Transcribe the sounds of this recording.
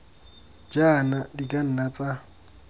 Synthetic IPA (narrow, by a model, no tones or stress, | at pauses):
d͡ʒaːnadikʼan̩nat͡sʼa